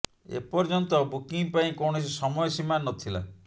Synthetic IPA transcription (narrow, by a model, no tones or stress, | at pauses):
ḛpɔɾd͡ʒɔnt̪ɔbukiŋpaĩkɔɽ̃ɔs̬isɔmɔjɔsimanːɔt̪ʰila̰